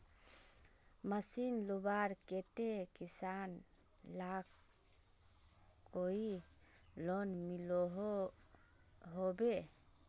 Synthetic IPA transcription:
masinlubaɾket̪ekisan | lak | oi | lɔnmilɔɦ | ɦɔbe

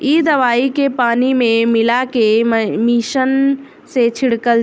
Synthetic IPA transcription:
iːd̪ɐʋaːikepaːnimẽmɪlakemiːʃən | set͡ʃʰɪɽkəl

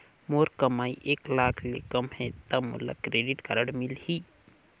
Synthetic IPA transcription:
moːɾkəmaːiʔeːklaːkʰlekəmhɛ̃t̪əmṵla̰kɾeːɖiʈkəɾəɽmilhiː

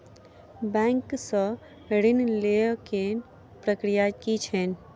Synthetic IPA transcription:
bɛ̃ːŋksə | ɾinleken | pɾəkɾijakit͡ʃʰɛn

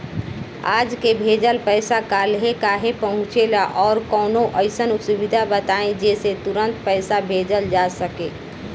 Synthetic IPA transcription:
aːd͡ʒkebʱeːd͡ʒəlpəɪsakalɦekaːɦepəɦʊ̃t͡ʃelaʔɔːɾkɔːnoʔəɪsənuksubid̪ʱabət̪aẽd͡ʒeːset̪uɾə̃nt̪pəɪsabʱeːd͡ʒəld͡ʒasəkeː

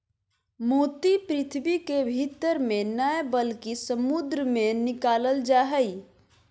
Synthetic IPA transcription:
moːt̪ipɾɪt̪ʰbikebʱit̪əɾmẽnəbəlkisəmud̪ɾəmẽnɪkaːləld͡ʒaːɦəi

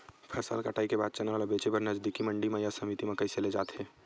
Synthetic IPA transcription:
pʰɐsa̰ːlkəʈʰaːikebaːd̪̚t͡ʃɐnaalabeːt͡ʃebɐɾnɐzd̪ikimɐ̃ɳɖimẽjasɐmit̪imɐ̃kɐiseled͡ʒa̰ːt̪ɦɛː

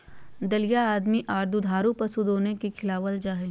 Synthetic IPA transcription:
d̪ɐlijaaːd̪miʔaːɾd̪ʱud̪ʱaːɾupɐsud̪oːnekikʰɪlaːʋəld͡ʒaːɦẽ

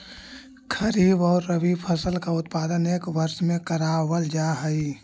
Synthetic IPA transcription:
kʰəɾiːbɔːɾːəʋipʰəsəlkaʊt̪paːd̪əneːkʋəɾʃmẽkəɾaːwəld͡ʒaːɦəi

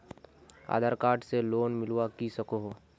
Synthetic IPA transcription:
a̰ːd̪ʱaːɾkaːɾʈseloːnmɪlwakisəkoɦoː

